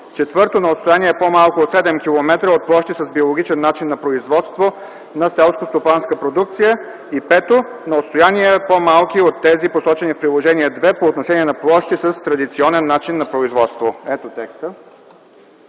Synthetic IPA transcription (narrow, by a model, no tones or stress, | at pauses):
t͡ʃɛt̪vɤɾt̪onɐot̪st̪ojaniɛɛpomalˠkoot̪sɛd̪ɛmkʲilˠomɛt̪ɾəot̪̚plˠɔʃt̪isəsbiolˠoɡit͡ʃɛnːat͡ʃinːɐpɾoizvɔt̪st̪vo | nɐsɛlˠskost̪opanskəpɾod̪uk̚t̪sijə | ipɛt̪o | nɐot̪st̪ojaniɛpomalˠk̟iot̪ːɛziposɔt͡ʃɛnifpɾilˠoʒɛniɛd̪vɛpoːt̪noʃɛniɛnɐplˠɔʃt̪isəst̪ɾɐd̪it̪siɔnɛnːat͡ʃinːɐpɾoizvɔt̪st̪voɛt̪ot̪ɛkst̪ə